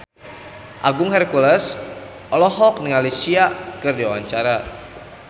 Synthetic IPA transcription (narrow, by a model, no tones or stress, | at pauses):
ʔaɡʊŋɦɛrkulɛs | ʔɔlɔɦɔk̚nəŋalisiakɨrdiwawaɲt͡ʃaɾa